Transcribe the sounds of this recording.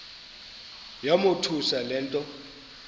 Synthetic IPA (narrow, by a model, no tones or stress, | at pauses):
jamotʰusalɛːntʼɔ